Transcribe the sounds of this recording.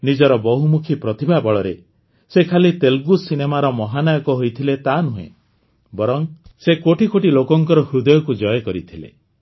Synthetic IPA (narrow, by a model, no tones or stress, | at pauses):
nid͡ʒɔɾɔbɔɦumukʰipɾɔt̪ibʱabɔɭɔɾe | sekʰalit̪elɡusinemaɾɔmɔɦanajɔkɔɦojt̪ʰilet̪anuɦḛ̃ | bɔɾɔŋsekoʈikoʈilokɔŋkɔɾɔɦud̪ɔjɔkud͡ʒɔjɔkɔɾit̪ʰilḛ